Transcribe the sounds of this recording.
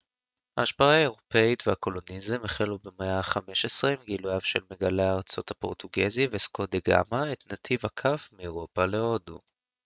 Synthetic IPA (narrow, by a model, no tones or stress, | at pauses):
haːʃpaʁaaeʁo̞pe̞it̪veako̞lo̞nizemeχelubemeaχame̞ʃesʁimɡiluavʃelmeɡaleaaʁt͡so̞thapo̞̰ʁt̪uɡezivesko̞d̪eɡa̰maet̪nat̪ʰivakʰafmieʁo̞pale̞o̞dṵ